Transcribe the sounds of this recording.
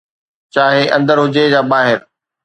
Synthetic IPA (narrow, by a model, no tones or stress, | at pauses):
t͡ɕaːɦeʔɐ̰̃nd̪əɾɦʊd͡ʑed͡ʑaːbaːɦɪɾ